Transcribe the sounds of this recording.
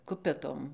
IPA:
ˈkʊpʲɛtoːm

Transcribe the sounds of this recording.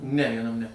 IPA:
nʲɛ ʋʲiɛˈnɐm nʲɛ

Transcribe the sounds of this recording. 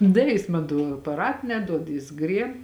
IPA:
ˈdɐ jɪs ˈmɐn toː ɐpɐˈrɐt nʲɛˈduɔt jɪs ˈɡrʲiɛp

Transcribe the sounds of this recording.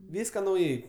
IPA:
ˈʋʲiːskɐ nɐʊˈjɛɪ

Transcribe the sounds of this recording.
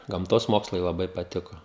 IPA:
ɡɐmˈtoːs ˈmoːkslˠɐɪ lˠɐˈbɐɪ pɐˈtʲɪkoː

